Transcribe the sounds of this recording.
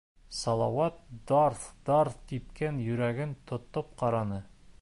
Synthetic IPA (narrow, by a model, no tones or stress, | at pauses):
sɑlˠɑwɑt̪̚d̪ɑɾθd̪̥ɑɾθt̪ipkænjɵ̆ɾæɡɘnt̪ʰŏt̪op̚qɑɾɑnɤ